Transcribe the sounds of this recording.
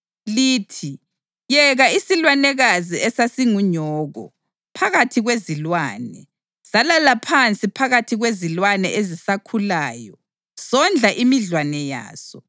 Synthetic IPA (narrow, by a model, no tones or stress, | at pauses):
liːtʰi | jɛɣaisilwanɛɣaziɛsasiŋuɲɔːɣɔ̰ | pʰaɣatʰiɣwezilwaːnɛ | salalapʰant͡sʼipʰaɣatʰiɣwezilwanɛʔezisakʰulaːjɔ | sɔnd͡ɮʱaʔimiɮwanɛja̰ːsɔ